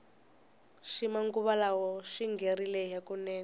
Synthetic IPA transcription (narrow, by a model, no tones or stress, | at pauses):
ʃimaŋɡuβalawɔʃiŋɡʱerilɛjakunɛːn